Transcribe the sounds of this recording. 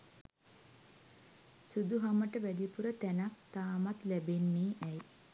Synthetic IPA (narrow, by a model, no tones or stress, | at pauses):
sud̪uɦaməʈəʋæɖipuɾət̪ænak̚t̪aːmat̪læbenːiːʔɛj